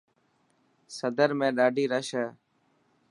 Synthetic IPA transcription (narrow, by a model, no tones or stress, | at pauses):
səd̪əɾmẽːɗaːɖʱiːɾəʃɛː